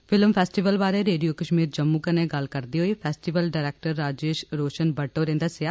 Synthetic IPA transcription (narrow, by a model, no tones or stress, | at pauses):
pʰɪlmpʰɛːsʈɪʋəlbaːɾeːɾeːɖijoːkəʃmiːɾd͡ʒəmːuːkənẽːɡəlkəɾd̪iːɦoːiːpʰɛːsʈɪʋəlɖaːɾɛːk̚ʈəɾːaːd͡ʒeːʃɾoːʃənbəʈːoːɾẽːnd̪aːsɪaː